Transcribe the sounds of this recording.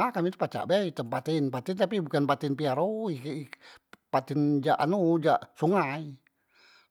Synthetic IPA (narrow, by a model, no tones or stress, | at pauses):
akamit̪upat͡ʃa̰ʔbɛit̪əmpat̪inpat̪ɪnt̪apibukanpat̪ɪnpiaɾoiipat̪ɪnd͡ʒaʔa̰nud͡ʒaʔsuŋai